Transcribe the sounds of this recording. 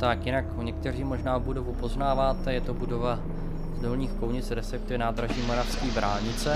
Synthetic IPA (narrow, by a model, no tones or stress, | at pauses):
t̪akjɪnakɲɛk̚t̪ɛr̝iːmo̞ʒnaːobudo̞vupo̞znaːvaːt̪ɛjɛt̪o̞budo̞va | zdo̞lɲiːxko̞wɲɪt͡sɾɛsɛk̚t̪ɪvɛnaːd̪ɾaʒiːmo̞ɾafskiːbɾaːlɲɪt͡sɛ